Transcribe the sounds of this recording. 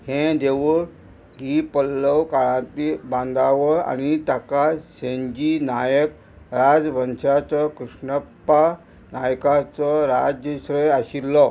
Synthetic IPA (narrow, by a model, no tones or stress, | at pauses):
hẽd̪eʋuɾ | ɦipəlːəwkaɭãt̪ibãnd̪aʋəɾa̰ñit̪jakaɕẽɲd͡ʑinajək | ɾad͡zʋənɕat͡sɔkɾuʂɳəpːa | najkat͡sɔɾad͡ʑjəsɾəjaɕilːɔ